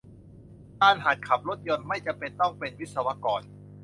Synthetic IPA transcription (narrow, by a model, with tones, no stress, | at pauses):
t̪aː˧˥˩nɦaː˨˩t̪̚kʰa˨˩p̚ɾo˦˥t̪̚jo˧nma˥˩jt͡ɕa˧˩pe˧nt̪ɔ˥˩ŋpe˧nwi˦˥t̪̚sa˧wa˦˥kɔː˨n